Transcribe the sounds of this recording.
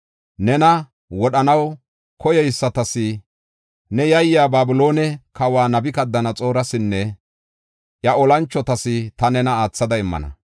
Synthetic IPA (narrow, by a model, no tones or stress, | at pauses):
nɛnɐ | wɔɗɐnɐw | kɔjɛjsːɐt̪ɐsɪ | nɛjɐjːaːbaːbʊlo̞ːnɛkɐwaːnɐbɪkɐd̪ːɐnɐt͡sʼo̞ːɾɐsɪnːɛ | ʔjɐɔlɐnt͡ʃːɔt̪ɐsɪt̪ɐnɛnɐaːt͡sːɐd̪ɐɪmːɐ̰nɐ̰